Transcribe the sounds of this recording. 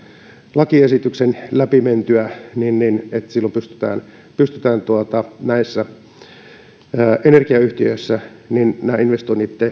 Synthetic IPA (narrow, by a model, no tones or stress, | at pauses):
lɑkiesit̪yksenlæpiment̪yæninninet̪silːompyst̪y̥t̪æ̰ːn | pyst̪yt̪æːnt̪uɑt̪ɑnæisːæ | ʔenerkiɑyht̪iøisːæ | ninnæːinʋest̪oinːit̪ːe